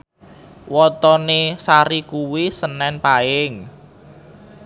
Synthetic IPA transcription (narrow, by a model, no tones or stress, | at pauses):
wɔt̪ɔnesaɾikuwisənɛnpaɪŋ